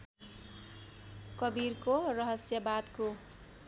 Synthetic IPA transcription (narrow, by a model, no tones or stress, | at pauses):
kʌbirkorʌɦʌsjʌbad̪ko